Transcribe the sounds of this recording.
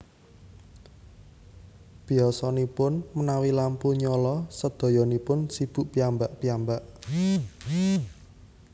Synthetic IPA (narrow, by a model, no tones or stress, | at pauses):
b̥i̤ɔsɔnipʊnmənawilampuɲɔlɔsəd̪̥ɔ̤jɔnipʊnsib̥ṳʔpiambaʔpijambaʔ